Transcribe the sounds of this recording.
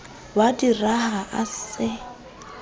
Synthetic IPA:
wadirahaʔa̰sɪ

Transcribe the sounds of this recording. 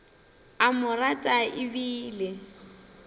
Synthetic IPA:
amʊratʼaʔɪbiːlɪ

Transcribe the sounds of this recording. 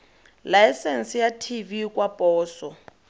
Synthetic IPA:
lajsɛnsijatʰivikʼwapʼɔːsɔ

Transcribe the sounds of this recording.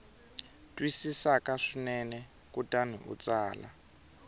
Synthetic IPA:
tʼwisisakaʂinɛnɛ | kutʼan̤ṵʔṵt͡saːla̰

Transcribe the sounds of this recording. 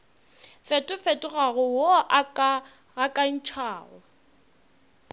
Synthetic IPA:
fetʼʊfetʼʊɣaɣʊwoʔakʼa | ɣakʼan̩t͡ʃʰaːɣʊ̰

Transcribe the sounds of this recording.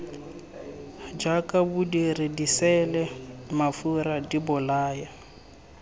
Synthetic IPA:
d͡ʒakʼabudiredisɛlɛmafuɾadibʊlaːja

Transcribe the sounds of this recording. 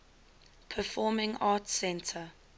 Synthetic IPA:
pʰəfɔːmɪ̃ŋɑːtsɛ̃ntʰə

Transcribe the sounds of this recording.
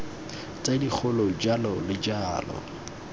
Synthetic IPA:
t͡sʼadik͡xʰʊlɔd͡ʒalɔlɪd͡ʒaːlɔ̰

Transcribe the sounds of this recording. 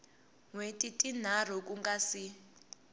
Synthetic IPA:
ŋwetʼitʼin̤ar̤ɔk̬ʼuŋɡasi

